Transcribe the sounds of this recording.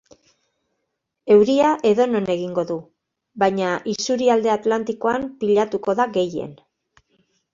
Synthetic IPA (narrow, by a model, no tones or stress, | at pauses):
e̞wɾiaʔe̞ðo̞no̞ne̞ɣiŋɡo̞ðu | bajɲaʔisuɾiald̪eat̪lant̪iko̞ampiʎat̪uko̞ðaɣe̞je̞̰n